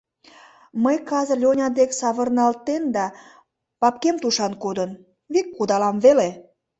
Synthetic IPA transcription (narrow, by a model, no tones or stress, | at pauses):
məjkɑzəlʲonʲɑd̪eksɑβərnɑlt̪end̪ɑ | pɑp̚kemt̪uʃɑnkod̪ən | βikːud̪ɑlɑmβele